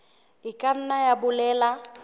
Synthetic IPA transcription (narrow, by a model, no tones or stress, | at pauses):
ɪkʼan̩najabʊlɛːla